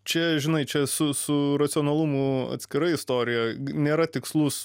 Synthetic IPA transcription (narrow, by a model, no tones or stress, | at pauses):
t͡ʃʲɛʒʲɪnɐɪt͡ʃʲɛsʊsʊrɐt͡s̪sʲɪonɐlˠʊmʊɐ̰t̪ʲsʲkʲɪɾɐɪɪst̪oːɾʲɪjɛnʲeːɾɐt̪ʲɪkslˠʊs